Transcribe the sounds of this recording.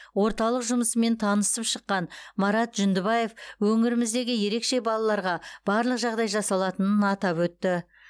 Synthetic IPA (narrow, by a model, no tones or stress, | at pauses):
wo̞ɾt̪ɑlˠəqʒʊməsəme̞nt̪ʰɑnəsəpʃəqːɑnmɑɾɑt̪ʒʏnd̪ɪbɑje̞fwɵŋɪɾɪmɪzd̪e̞ɡʲɪje̞ɾe̞kʃe̞bɑlˠɑlˠɑɾʁɑb̥ɑɾlˠəqʒɑʁd̪ɑjʒɑsɑlˠɑt̪ənənɑt̪ɑpwɵt̪ːɪ